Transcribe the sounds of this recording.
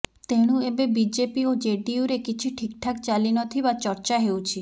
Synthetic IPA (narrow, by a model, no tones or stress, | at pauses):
t̪eɽ̃ũebebid͡ʒepiod͡ʒeɖiuɾekit͡ʃʰiʈʰikʈʰakt͡ʃalinɔt̪ʰibat͡ʃɔɾt͡ʃaɦeut͡ʃʰi